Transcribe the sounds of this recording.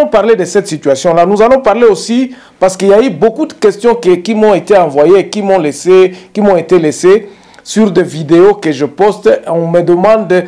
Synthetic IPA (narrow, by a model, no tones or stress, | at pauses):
ɔ̃paʁled̪əsɛt̪sit̪ɥasjɔ̃lanuzalɔ̃paʁleosi | paʁsə̥kiljaybokud̪əkɛst̪jɔ̃kkimɔ̃et̪eɑ̃vwajeːkimɔ̃lesekimɔ̃et̪elese | syʁd̪evid̪eokəʒəpɔst̪ɔ̃məd̪əmɑ̃d̪